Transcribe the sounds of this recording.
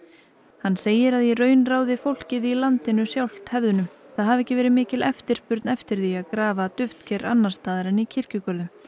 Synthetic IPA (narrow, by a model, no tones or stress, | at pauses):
hanːseːjɪɾaðjɛrœːɥnraːwðɪfowl̥cɪðiilant̪ɪnʏsjawl̥t̪hɛvðʏnʏmθaðɦavɛhcɪvɛːɾɪðmɪːcɪlɛft̪ɪɾ̥spʏɾt̪nɛft̪ɪɾ̥θiaðkɾaːvat̪ʏft̪cʰɛɾa̰nːḁst̪aːðɪɾɪnicʰɪr̥cʏkœɾðʏm